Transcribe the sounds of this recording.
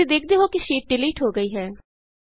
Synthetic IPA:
iːd̪eːkʰd̪eːɦoːkɪʃiːʈ̚ɖɪliːʈɦoːɡəiːɦɛː

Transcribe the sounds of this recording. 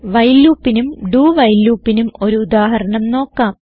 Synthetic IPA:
ʋɐjluːpːinumɖuːʋɐjlːuːpːinumo̞ɾuːd̪aːɦɐɾɐɳɐmno̞ːkːaːm

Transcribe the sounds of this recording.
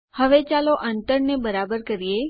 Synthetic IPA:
həʋet͡ʃaloʔəɳʈəɾnebəɾabəɾkəɾije

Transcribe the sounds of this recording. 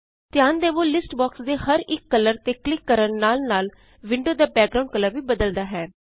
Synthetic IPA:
t̪ɪjãːnd̪eːʋoːlɪsʈbaːksd̪eːhəɾɪkːələɾt̪eːklɪkːəɾənnaːlnaːl | ʋɪ̃ɳɖoːd̪aːbɛːk̚ɡɾaːʊ̃ɳɖ̚kəlːəɾʋiːbəd̪əld̪aːɦɛː

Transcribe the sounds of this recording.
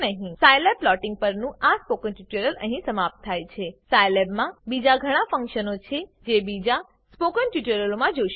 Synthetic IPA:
nəɦĩsajleb̚lɔʈɪ̃ŋɡ̚pəɾnũʔaspokənʈuʈəɾələ̰ɦĩsəmap̚t̪ʰːajt͡ʃʰesajlebmãbid͡ʒaɡʱəɽ̃afə̃ŋkʃənot͡ʃʰed͡ʒebid͡ʒa | spokənʈuʈəɾəlomãd͡ʒoʃ

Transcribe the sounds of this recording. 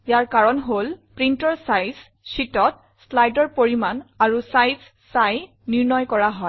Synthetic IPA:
jaɹkaɹɔnɦolpɹintɔɹsajz | sitɔt̚ | slajdɔɹpoɹimanaɹusajz | saj | niɹnɔjkɔɹaɦɔ

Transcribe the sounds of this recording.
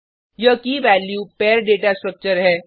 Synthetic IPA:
jɐkiʋɛːljuːpɛːɾɖeːʈasʈɾək̚t͡ʃəɾɦɛː

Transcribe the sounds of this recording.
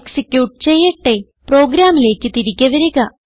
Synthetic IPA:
ksikʲjuːʈɨ̥t͡ɕe̞jːɐʈːe̞ | pro̞ːɡɾaːmile̞ːkʲːɨt̪iɾikʲːɐʋɐɾuɣɐ

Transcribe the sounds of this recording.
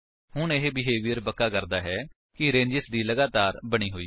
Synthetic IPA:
hʊɳeɦeːbɪɦeːʋijəɾpəkːaːkəɾd̪aːɦɛː | kɪɾẽːɲd͡ʒɪsd̪iːləɡaːt̪aːɾbəɽ̃iːɦoːiː

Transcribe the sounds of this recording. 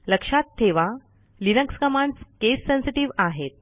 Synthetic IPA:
ləkʂat̪ʰːeʋa | linəkskəmãɳɖskesːẽnsiʈiʋaɦet̪̚

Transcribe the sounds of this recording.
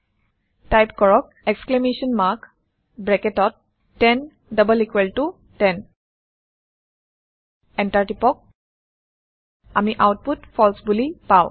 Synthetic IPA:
tajpkɔɹɔk̚ɛksklemesɔnmak | bɹɛkɛtɔt̚ː | ɛn | dʌbəlikwɛltu | tɛn | ɛntaɹtipɔk̚ | a̰miʔawt̚putpʰɔlsbulipaʊ̃

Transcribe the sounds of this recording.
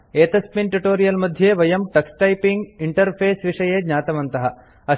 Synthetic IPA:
eːt̪ɐspinʈuʈoːɾijɐlmɐd̪ʱjeːʋɐjɐmʈɐksʈɐjpiŋɡiɳʈɐɾpʰeːsʋiʂɐjeːd̪ɲaːt̪ɐmɐnt̪ɐɦɐ | ɐ

